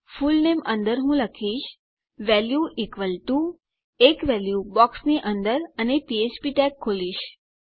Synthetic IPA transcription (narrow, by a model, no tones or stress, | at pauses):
fulnemənd̪əɾɦũləkʰiʃ | ʋɛljuʔikʋəlʈu | ekʋɛljubɔksniʔənd̪əɾənepiespiʈɛkʰːoliʃ